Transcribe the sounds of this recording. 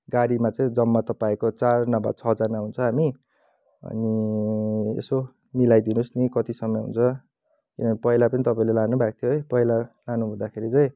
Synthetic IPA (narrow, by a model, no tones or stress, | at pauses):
ɡaɽimat͡sʌĩd͡zʌmːat̪ʌpaĩkot͡sarnʌba̰t͡sʰʌd͡zarnaɦunt͡sʰʌɦami | ʌ̰ni | ḛso | milajd̪inusnikʌt̪isʌmːʌɦṵnt͡sʰʌ | kinʌnipʌilapʌnit̪ʌpaĩlelanubʱak̚t̪ʰjoejpʌilalanuɦũd̪akʰeɾit͡sʌj̃